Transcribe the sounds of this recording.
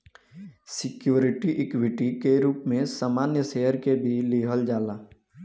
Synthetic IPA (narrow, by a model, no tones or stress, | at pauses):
sɪkjuːɾɪʈiʔɪkwɪʈikeɾuːpmẽsaːmaːnjəsejəɾkebʱiliːɦəld͡ʒaːlaː